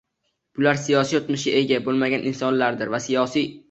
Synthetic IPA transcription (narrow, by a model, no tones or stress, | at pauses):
b̥ʊlaɾsijɒsijot̪mɪʃɡʲae̞ɡʲabolˠmaɡʲanɪnsɒnlaɾd̪ɪɾvasijɒsij